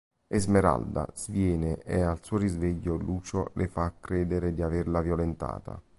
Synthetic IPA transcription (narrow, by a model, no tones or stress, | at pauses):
ezmeɾa̰ld̪a̰z̥vjɛːneʔealsuːoɾizveʎːoluːt͡ʃolʔefakːɾeːd̪eɾed̪iaverlavjolent̪a̰ːt̪a̰